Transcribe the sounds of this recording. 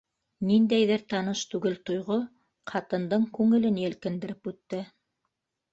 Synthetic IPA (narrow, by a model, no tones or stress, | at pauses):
nind̪æjðɘɾt̪ɑnɤʃt̪ʉɡɘlt̪ŏjʁo | qʰɑt̪ɤ̆nd̪ɤɴkʉŋɘ̆lɘnjæ̆lkɘ̆nd̪ɘ̆ɾɘpʉt̪ːɘ